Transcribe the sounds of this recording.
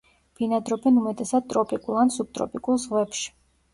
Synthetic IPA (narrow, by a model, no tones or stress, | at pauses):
b̥inad̪ɾɔbɛnumɛt̪ʼɛsad̪̥̚t̪ʼɾɔpʼikʼulˠansup̚t̪ʼɾɔ̰pʼikʼulˠzʁwɛpʃi̥